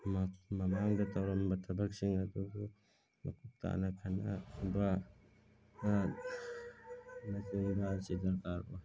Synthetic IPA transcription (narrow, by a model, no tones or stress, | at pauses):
mamɐmaŋdatʰawɾambatʰɐbak̚siŋaduɡu | ma̰kʰup̚ta̰nakʰana̰ba | a | nakuŋbasidaɾkaɾo